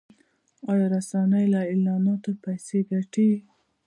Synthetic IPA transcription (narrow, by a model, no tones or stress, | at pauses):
ɑjɑɾasanajlaɪlɑnɑt̪apajseɡaʈi